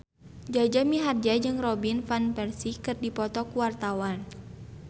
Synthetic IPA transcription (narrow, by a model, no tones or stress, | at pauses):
d͡ʒad͡ʒamiɦard͡ʒad͡ʒɨŋrɔbinfanpɛrsikɨrdipɔt̪ɔkuwart̪awan